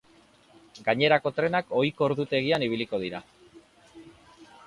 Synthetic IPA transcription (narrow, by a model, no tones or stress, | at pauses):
ɡaɲe̞ɾako̞t̪ɾe̞nako̞jko̞ɾðut̪e̞ɣianiβ̞iliko̞ðiɾa